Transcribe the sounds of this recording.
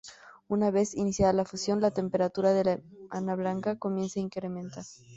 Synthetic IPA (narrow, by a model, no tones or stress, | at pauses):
unaβe̞sinisjaðalafusjo̞nlat̪e̞mpe̞ɾat̪uɾaðelaanaβlaŋkako̞mje̞nsaiŋkɾemẽnt̪aɾ